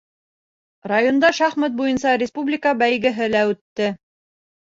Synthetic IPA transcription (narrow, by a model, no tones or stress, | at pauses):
rajond̪ɑʃæχmæt̪̚bujɤnsɑɾʲɪspublʲikəbæjɡɘ̆ɦɘlæʉt̪ːɘ